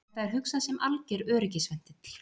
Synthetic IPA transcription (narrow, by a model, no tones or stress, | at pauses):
θaðɛɾ̥ɦʏksasɛmʔalcɛɾœːɾɪcɪsvɛn̥t̪ɪt̪l̥